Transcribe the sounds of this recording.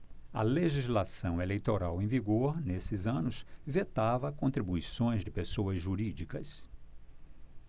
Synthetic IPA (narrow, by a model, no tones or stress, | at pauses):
ɐ̰leʒizlasɐ̃w̃elejt̪oɾawẽviɡoɾnesɪzɐ̃nʊsvet̪avɐkõnt̪ɾibuisõj̃zd͡ʒɪpesowɐzʒuɾid͡ʒikɐs